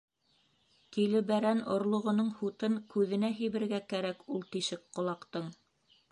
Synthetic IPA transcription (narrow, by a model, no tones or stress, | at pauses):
kilɘ̆bæɾænŏɾlˠŏʁŏnɤɴhut̪ɤŋkʉðɘ̆næɦĭjβɘ̆ɾɡækæɾækulˠt̪iʃɘkqŏlˠɑqt̪ɤɴ